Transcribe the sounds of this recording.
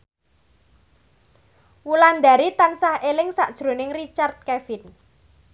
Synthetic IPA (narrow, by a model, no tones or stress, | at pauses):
wuland̪aɾit̪ansahelɪŋsaʔd̥ʒ̥ɾo̤nɪŋrit͡ʃart̪̚kɛfɪn